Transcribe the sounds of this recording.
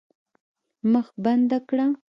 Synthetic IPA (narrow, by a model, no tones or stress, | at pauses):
maχband̪akɽa